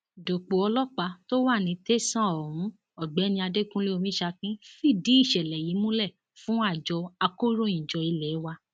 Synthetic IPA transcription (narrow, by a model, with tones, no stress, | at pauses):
do˨k͡po˨ɔ˧lɔ˦k͡pa˧to˦wa˦˨nĩ˧te˦sã˦˨ɔ˨ɾũ˨˦ | ɔ˨ɡ͡bɛ˨˦nĩ˧a˧de˦kũ˦le˦o˧mĩ˦ʃa˧kĩ˦fi˦˨di˨˦i˦˨ʃɛ˨lɛ˨ji˨˦mũ˦lɛ˦˨ | fũ˦a˦˨d͡ʒɔ˧a˧ko˦ɾo˦˨ĩ˨d͡ʒɔ˧i˧lɛ˨˦wa˧